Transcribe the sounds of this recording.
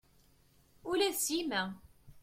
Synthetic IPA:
ulæsjimæ

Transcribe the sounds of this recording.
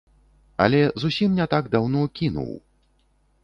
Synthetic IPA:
ɐ̰lʲɛzusʲimnʲɛt̪aɡd̪awnɔkʲinṵw

